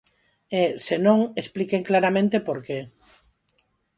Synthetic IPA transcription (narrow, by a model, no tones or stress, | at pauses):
esenõŋesplikeŋklaɾamẽnt̪epoɾke